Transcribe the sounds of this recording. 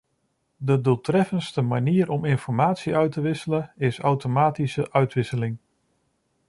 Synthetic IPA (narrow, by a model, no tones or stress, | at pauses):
dədulˠtrɛfənstəmaniːəɾɔmɪnfɔɹmaːtsiœɥtəʋɪsələɪsawtomaːtisəʔœɥtʋɪsəlɪŋ